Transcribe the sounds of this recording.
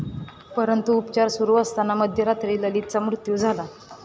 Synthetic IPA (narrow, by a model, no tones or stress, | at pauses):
pəɾənt̪uːpt͡ɕaɾsuɾuʋast̪ʰanaməd̪ʱjəɾat̪ɾiləliːt͡samɾut̪jud͡zʱala